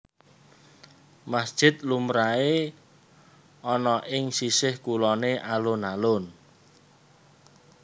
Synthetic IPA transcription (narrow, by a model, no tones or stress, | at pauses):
masd̥ʒ̥ɪt̪̚lumɾae | ɔnɔʔɪŋsisɪhkulɔneʔalʊnalʊn